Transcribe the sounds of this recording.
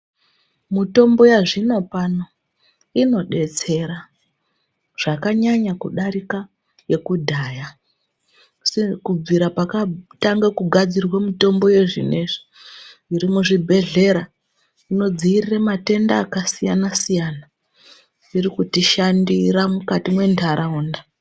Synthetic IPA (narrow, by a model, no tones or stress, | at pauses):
mito̞mbo̞jaʐino̞pano̞ | ino̞ɗe̞t͡se̞ɾa | ʐ̥akaɲaɲakuɗaɾika | je̞kudʱaːja | sikub͡viɾapakataŋɡakuɡʱad͡zirwamito̞mbo̞je̞ʐḭne̞ʐi̥ | iɾimuʐibʱe̞ɮe̞ɾa | ino̞d͡ziiriremate̞ndaːkasijanasijana | iɾikutiʃandiɾamukatimwe̞ndʰaɾauːnda